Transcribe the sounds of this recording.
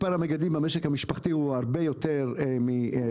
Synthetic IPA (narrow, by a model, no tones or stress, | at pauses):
paɾameɡad̪imbameʃekhamiʃpaχt̪iuaʁbe̞jot̪eʁmi